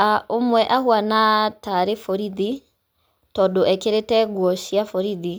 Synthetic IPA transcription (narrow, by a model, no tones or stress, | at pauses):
aomwɛʔahwanataɾefɔɾiði | tɔdoʔɛkeɾetɛɡwɔʃiafɔɾiði